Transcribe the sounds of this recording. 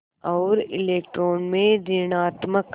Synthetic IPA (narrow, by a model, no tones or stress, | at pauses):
ɔːɾɪleːk̚ʈɾoːnmẽd̪ɪnaːt̪mək